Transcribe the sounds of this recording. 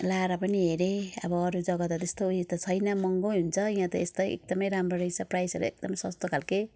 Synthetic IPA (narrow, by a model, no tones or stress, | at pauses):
laɾʌpʌniɦeɾeʌ̰bʌːɾud͡zʌɡʌt̪ʌt̪est̪ouit̪ʌt͡sʰʌjnʌmʌŋɡoɦunt͡sʰʌĩɦãt̪ʌest̪ʌjḛk̚d̪ʌmʌjɾamrʌɾʌjt͡sʰʌprajsʌɾṵek̚d̪ʌmʌjsʌst̪okʰalke